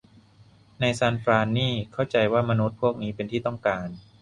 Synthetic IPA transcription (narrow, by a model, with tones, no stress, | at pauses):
na˧jsaː˧npɾaː˧nːiː˥˩kʰa˥˩wt͡ɕa˧jwaː˥˩ma˧nu˦˥t̪̚pʰu˥˩ək̚niː˦˥pe˧nt̪ʰiː˥˩t̪ɔ˥˩ŋkaː˧n